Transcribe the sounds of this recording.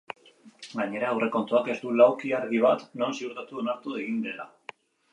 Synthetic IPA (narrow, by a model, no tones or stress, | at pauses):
ɡaɲe̞ɾaewre̞ko̞nt̪uake̞zd̪ulawkiaɾɣiβ̞at̪no̞nsiuɾt̪at̪uonaɾt̪ueɣ̞ind̪e̞la